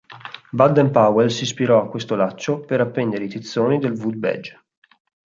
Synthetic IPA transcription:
bad̪ɛmpawɛlsispiɾɔakːwest̪olat͡ʃːopeɾapːɛnd̪eɾeit̪it̪sːoːnid̪elvud̪̚bɛ̰d͡ʒ

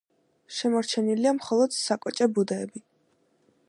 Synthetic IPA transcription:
ʃɛmɔɾt͡ʃʰɛniliamχɔlˠɔd̪̥sakʼɔt͡ʃʼɛbud̪ɛːbi

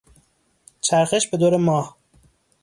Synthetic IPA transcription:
t͡ʃʰæɾxeʃbed̪oːɾemɒːh

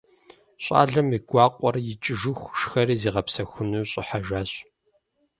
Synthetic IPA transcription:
ɕʼa̰ːɮɐmiɡʷɑːqʷʼɔrjɪt͡ʃʼɪʒɨxʷʃxɐɾiːziːʁɐpsɐxʷʊnuːɕʼɪħaʒaːɕʼ

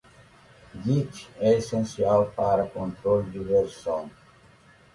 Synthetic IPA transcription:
ɡit͡ʃɛesẽnsiawpaɾɐkõnt̪ɾold̪ɪveɾsõn

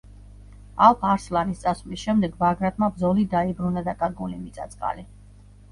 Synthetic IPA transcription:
alˠpʰaɾslˠanist̪sʼasvlisʃɛmd̪ɛɡbaɡɾat̪ʼmabdzɔlid̪aibɾunad̪akʼaɾɡulimit̪sʼa̰t̪sʼqʼa̰li

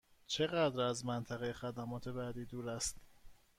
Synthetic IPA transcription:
t͡ʃʰe̞ɣæd̪ɾæzmænt̪ʰæɣejexæd̪æmɒːt̪ʰe̞bæːd̪iːd̪uːɾæst̪

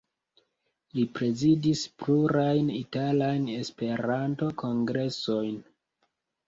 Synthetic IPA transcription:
lipɾe̞zidispluɾajnitalajne̞spe̞ɾanto̞ko̞ŋɡɾe̞so̞jn

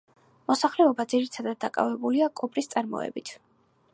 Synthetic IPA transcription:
mɔsaχlɛɔbad̪ziɾit̪ʰad̪ad̪̚ːakʼa̰vɛbuliakʼɔpʼɾist̪sʼaɾmɔ̰ɛ̰bit̪ʰ

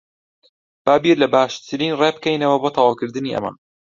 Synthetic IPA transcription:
b̥aːbiɾlɐbaːʃt̪ʰɨɾiːnreːb̚kɛjnɐwɐboːt̪ʰɑwaːwkɨɾd̪ɨniːʔɐ̰ma̰

